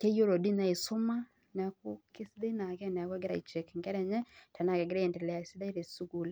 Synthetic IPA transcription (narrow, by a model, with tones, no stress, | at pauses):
ke˦jo˦ɾo˨di˦na˦˨e˨sʊ˦ma˦ | nɛ˨˦ku˦kɪ˦sde˦na˨kɛ˦˨nɛ˨kɛ˦ɡɪ˦ɾa̰˨i˨t͡ʃe˨kŋɡɛ˦ɾɛ˨ɲɛ˦ta˨na˦˨kɛ˨ɡɪ˦ɾa˦ɛ˨ntɛ˨lɛ˨a˨si˦da˦i˦ɾe˨su˦ɡu˨l